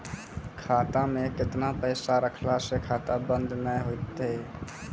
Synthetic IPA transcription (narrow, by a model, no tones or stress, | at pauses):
kʰat̪amekɪt̪napəjsaɾəkʰlasekʰat̪abə̃nd̪ʱnəjɦojt̪e